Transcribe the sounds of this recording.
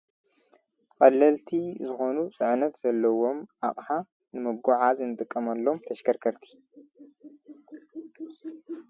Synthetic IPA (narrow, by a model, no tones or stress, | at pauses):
kʼɐlːɐlt̪ʰizɨxo̞nusʼɨʕnɐt̪z̥ɐlːɐwo̞mʔaχʼħa | nɨmɨɡuʕazɨnɨt̪ʼɨkʼːɐmɐlːo̞mt̪ʰɐʃkʰɐɾkʰɐɾt̪ʰi̥